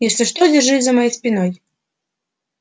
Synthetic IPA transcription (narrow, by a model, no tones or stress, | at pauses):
jɛsʲlʲɛʂt̪ɔd͡zʲɛrʐɨt͡sʲzɐmajɛjsʲpʲinɔj